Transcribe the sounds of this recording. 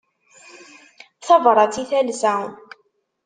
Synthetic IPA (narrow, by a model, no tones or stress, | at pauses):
θɑvɾˤɑt͡siθæləsaʊn